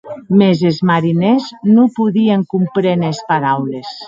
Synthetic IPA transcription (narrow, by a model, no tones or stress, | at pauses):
mezezmaɾineznopuðieŋkumpɾenespaɾawles